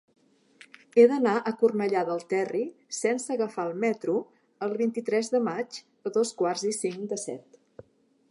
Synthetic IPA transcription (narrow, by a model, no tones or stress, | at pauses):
eðənaʔəkurnəʎaðəlˠt̪ɛrisɛnsəɣəfaəlˠmɛt̪ɾu | əlˠβint̪it̪ɾɛzðəmad͡ʒ | əðoskwarzisiŋd̪əsɛ̰t̪